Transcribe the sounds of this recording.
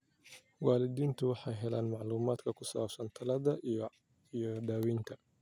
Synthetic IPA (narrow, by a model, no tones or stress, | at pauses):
waːlɪd̪iːnt̪ʰʊwɑħɑjɦɛlaːnmɑʕluːmaːd̪kʰɐkʰʊsa̰ːbsɐnt̪ʰɐlɐðɐ | ijɔɖ̪aːwiːnt̪ʰɐ